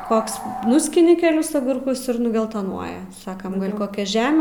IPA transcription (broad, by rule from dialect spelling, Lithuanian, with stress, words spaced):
ˈkoːks ˈnʊsʲkʲɪnʲɪ kʲɛˈlʲɪs ɐɡʊrˈkʊs ɪr nʊɡʲɛlˠˈtoːnuɔjɛ ˈsɑːkɐm ˈɡɐlˠ koːˈkʲɛ ˈʒʲæːmʲɛ